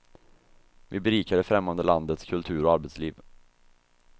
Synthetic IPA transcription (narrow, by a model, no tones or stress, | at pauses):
vɪbɛɾiːkaɖɛfɾɛmːand̪əland̪ət̪skʰɵlt̪ʰʉ̟ːɾɔaɾbɛt̪sliːv